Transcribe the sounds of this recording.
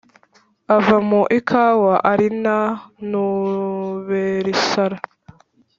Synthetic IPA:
avamuʔikʰawaʔaɾinanu | βeɾisaɾa

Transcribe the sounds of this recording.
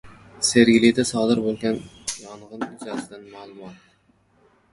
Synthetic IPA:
se̞ɾɡʲɪlɪd̪asɒd̪ɪɾbolˠɡʲanjɒɴʁɨnɪd͡ʒazɪd̪anmaːlˠʊmɒt̪

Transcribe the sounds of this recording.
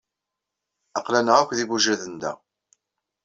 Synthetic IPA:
ɑqlænəʁækʷðibuʒæðənd̪æ̰

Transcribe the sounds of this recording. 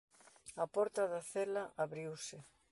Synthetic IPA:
ɐpɔɾt̪aðɐθelɐʔaβɾiwsɪ

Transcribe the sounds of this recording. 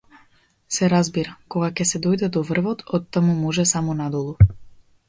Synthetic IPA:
sɛɾazbiɾakɔɡakʲɛsɛd̪ɔjd̪ɛd̪ɔvr̩vɔt̪ɔt̪ːamumɔʒɛsamɔnad̪ɔlˠu

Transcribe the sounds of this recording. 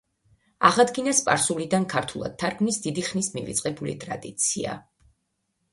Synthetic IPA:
aʁad̪ɡinaspʼaɾsulid̪ankʰaɾt̪ʰulˠa̰d̪̥̚t̪ʰːaɾɡnisd̪id̪iχnismivḭt̪sʼqʼɛbulḭt̪ʼɾad̪it̪sʰia̰

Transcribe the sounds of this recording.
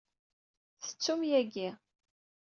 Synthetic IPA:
θə̥t͡sːumjæɡi

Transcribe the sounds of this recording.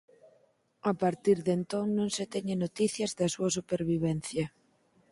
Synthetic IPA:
apaɾt̪iɾðent̪oŋnõŋset̪ɛɲenot̪iθjɐzðɐsuɐsupeɾβiβɛnθjɐ

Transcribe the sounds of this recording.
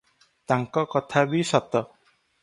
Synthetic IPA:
t̪aŋkɔkɔt̪ʰabisɔt̪ɔ

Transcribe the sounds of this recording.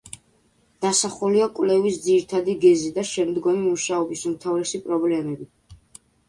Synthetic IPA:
d̪̥asaχuliakʼwlɛvisd̪ziɾit̪ʰad̪iɡɛzid̪aʃɛmd̪ɡɔmimuʃaɔbisumt̪ʰavɾɛsipʼɾɔblɛmɛbi

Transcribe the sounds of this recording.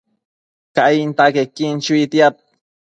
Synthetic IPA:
kaint̪akekint͡ʃuit̪jap̚

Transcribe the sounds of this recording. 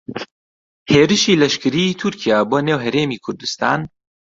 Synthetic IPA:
heːɾɨʃiːlɐʃkɨɾiːt̪ʰʊɾkʰijaːboːnewɦɐɾeːmiːkʰʊɾd̪ust̪a̰ːn

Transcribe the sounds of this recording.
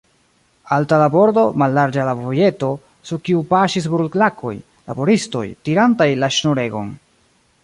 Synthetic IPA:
altalabo̞ɾdo̞malːaɾd͡ʒalavoje̞to̞ | suɾkiupaʃis̬bɾulklakʰo̞̰j | la̰bo̞ɾisto̞̰jtiɾantajlaʃnoɾe̞ɡo̞̰n

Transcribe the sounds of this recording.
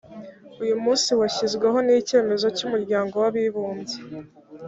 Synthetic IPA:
ujumuːnsiwaçizɡweɦo̞nice̞ːme̞zo̞cumuɾɟaːŋɡo̞waβiβuːnze

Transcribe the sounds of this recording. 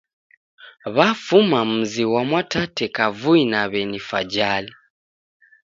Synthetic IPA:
βafumamuziwamwatatekavuinaβenifa̰ɟaːli

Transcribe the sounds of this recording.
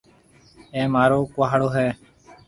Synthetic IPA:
ẽːmaːɾoːkʊɦaːɽoːɦɛː

